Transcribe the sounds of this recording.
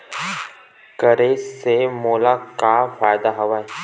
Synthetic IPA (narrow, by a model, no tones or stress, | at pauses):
kəɾesemoːlakafaːjd̪aɦɐʋaːe